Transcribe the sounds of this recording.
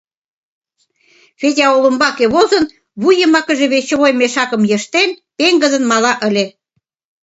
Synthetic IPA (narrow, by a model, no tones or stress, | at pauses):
fetʲɑolə̆mbɑkeβozə̆n | βujəmɑkə̆ʒeβet͡ɕəβojmeʃɑkə̆mjəʃt̪enpeŋɡə̆zə̆nmɑlɑʔə̆lʲe